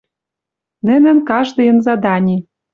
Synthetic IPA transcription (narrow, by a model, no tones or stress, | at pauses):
nɘ̆nɘ̆nkɑʒd̪ɤ̆jɤ̆nzɑd̪ɑnʲi